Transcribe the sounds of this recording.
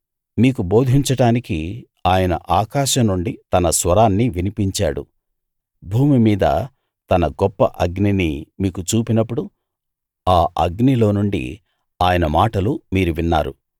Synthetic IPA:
miːkubo̞ːd̪ʱiɲt͡ʃɐɽaːniki | aːjɐnɐ̰ʔaːkaːʃɐmːuɳɖit̪ɐnɐsʋɐɾaːnːiʋinipiɲt͡ʃa̰ːɽṵ | bʱuːmimiːd̪ɐ̰ | t̪ɐnɐɡɔpːɐʔɐɡninimiːkut͡ʃuːpinɐpːuɽu | aːʔɐ̰ɡnilo̞ːnuɳɖḭ | aːjɐnɐmaːʈɐlumiːɾuʋinːa̰ːɾṵ

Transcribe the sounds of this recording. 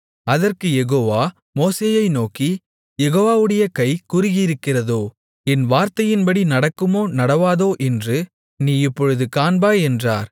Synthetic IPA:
ɐðɐrkɯjɛɣoːʋaː | moːseːjɐɪnoːki | jɛɣoːʋaːʋɯɽɐjɐkɐɪkʊrɪɣɪɾɯkːɪrɐðoː | ɛnʋaːɾt̪ɐjɪnbɐɽinɐɽɐkːɯmoːnɐɽɐʋaːðoːʔɛndrɯ | niːɪpːɔɻɯðɯkaːnbaːɛndra̰ːɾ

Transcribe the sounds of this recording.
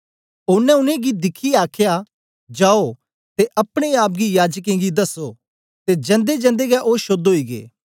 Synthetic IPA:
ʊnɛ̃ʊnẽɡid̪ɪkʰiaːkʰja | d͡ʒaːo | t̪eʔɐpɽ̃eaːp̬̚ɡijaːd͡ʒk̬ẽɡid̪ɐso | t̪ed͡ʒɐ̃nd̪ed͡ʒɐ̃nd̪eɡɛʔoːʃoːd̪ɦoːiɡḛː

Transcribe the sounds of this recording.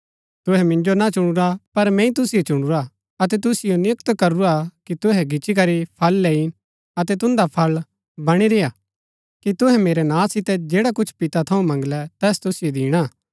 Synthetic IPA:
t̪ʊɦɛmɪ̃ɲd͡ʒonat͡ʃʊɽ̃ʊɾapɐɾmɛ̃ːĩt̪ʊsɪjot͡ʃʊɽ̃uɾa | ɐt̪̬ɛt̪̬ʊsɪjonɪəkt̪kɐɾuɾakit̪ʊɦɛɡʱɪt͡ʃik̬ɐɾipʰɐlːɛːin | ɐt̪ɛt̪̬ʊ̃nd̪apʰɐl | bɐɽ̃iɾɪja | kit̪ʊɦɛ̃meːɾɛnãːsɪt̪ɛd͡ʒeːɽakʊt͡ʃʰpɪt̪at̪ʰɐũmɐ̃ŋɡlɛt̪ɛːst̪ʊsɪjod̪iːɽ̃aː

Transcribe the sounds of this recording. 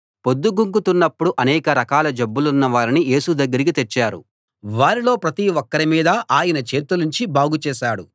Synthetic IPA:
pod̪ːuɡuŋkut̪unːɐpːuɽuʔɐnɛːkɐɾɐkaːlɐd͡ʒɐbːulunːɐʋaːɾinije̞ːsud̪ɐɡːɐɾik̬it̪et͡ʃːaːɾṵ | ʋaːɾilo̞ːpɾɐt̪iɔkːɐɾimiːd̪ɐʔaːjɐnɐt͡ʃe̞ːt̪uliɲt͡ʃibaːɡut͡ʃɛːʃaːɽṵ

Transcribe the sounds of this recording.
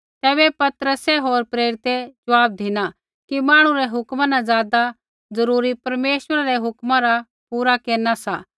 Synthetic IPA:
t̪ɛːbɛpɐt̪ɾəsɛɦoːɾpɾeːɾɪt̪ed͡ʒɐʋaːb̚d̪ʱɪna | kimãːɽ̃ũɾɛɦʊkmãnãzjaːd̪a | zɐɾuːɾipɐɾmeːʃwəɾaɾɛɦʊkmãɾa | puːɾakeːnasaː

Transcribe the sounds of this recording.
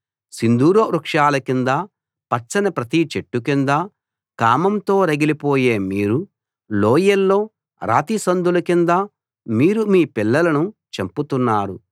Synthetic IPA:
sind̪uːɾoːɾukʂaːlɐkind̪ɐ | pɐt͡ʃːɐnɐpɾɐt̪it͡ʃeʈːukind̪ɐ | kaːmɐmt̪o̞ːɾɐɡilipoːje̞ːmiːɾu | loːjɐlːo̞ː | ɾʔa̰ːt̪isɐnd̪ulɐkind̪ɐ | miːɾumiːpilːɐlɐnut͡ʃemput̪unːaːɾu

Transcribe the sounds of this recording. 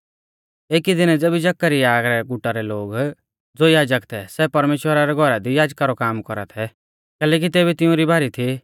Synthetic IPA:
eːkid̪ɪnɛd͡zeːbid͡ʒɐkːaɾiaːɡɾɛɡʊʈːaɾɛloːɡ | d͡zoːjaːd͡ʒəkt̪ʰɛsɛpɐɾmeːʃwəɾaɾɛɡʱɔɾad̪ijaːd͡ʒkaɾɔkaːmkɔɾa̰t̪ʰɛ | kɛːlɛːk̬it̪eːbit̪ɪʊ̃ɾibaːɾit̪ʰi

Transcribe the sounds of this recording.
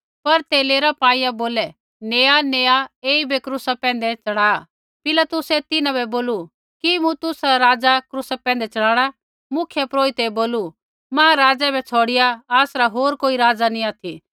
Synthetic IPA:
pɐɾt̪eːleːɾapaːijaboːlɛ | neːaneːaeːibɛkɾʊsapɛ̃ːn̆d̪ɛt͡ʃɐɽaː | pɪlat̪ʊsɛt̪ɪnãbɛboːlu | kimũt̪ʊsɾaɾaːd͡zakɾʊsapɛ̃ːnd̪ɛt͡ʃɐɽãːɽ̃a | mʊkʰjəpɾoːit̪eboːlu | mãːɾaːd͡zɛbɛt͡sʰoːɽɪjaaːsɾaɦoːɾkoːiɾaːd͡zaniaːt̪ʰi

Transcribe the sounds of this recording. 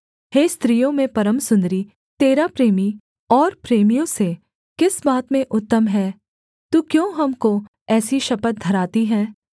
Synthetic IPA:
ɦeːst̪ɾijõmẽpɐɾəmsʊ̃nd̪ɾi | t̪eːɾapɾeːmi | ɔːɾpɾeːmijõse | kɪsbaːt̪mẽʔʊt̪ːəmɦɛː | t̪ukjõːɦɐmko | ɛːsiʃɐpət̪̚d̪ʱɐɾaːt̪iɦɛ̃ː

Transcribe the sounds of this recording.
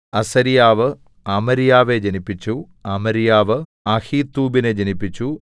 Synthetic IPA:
ɐsɐɾijaːʋɨ | ɐmɐɾijaːʋe̞d͡ʑɐnipːit͡ɕːu | ɐmɐɾijaːʋɨ | ɐhiːt̪ːuːbined͡ʑɐnipːit͡ɕːu

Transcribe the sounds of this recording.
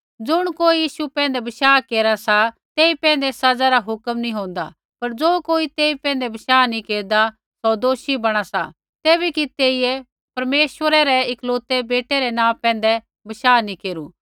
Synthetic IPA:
d͡ʒʊɽ̃koːijiːʃupɛ̃ːnd̪ɛbɐʃaːkeːɾasa | t̪eːipɛ̃ːnd̪ɛsɐd͡zaɾaɦʊkmnĩɦõːnd̪a̰ | pɐɾd͡ʒoːkoːit̪eːipɛ̃ːnd̪ɛbɐʃaːnĩkeːɾd̪a | sɔd̪oːʃibɐɽ̃asa̰ | t̪eːbikit̪eːiɛ | pɐɾmeːʃʋəɾɛɾɛɪkloːt̪ɛbeːʈeɾɛnãːpɛ̃ːnd̪ɛ | bɐʃaːnĩkeːɾu

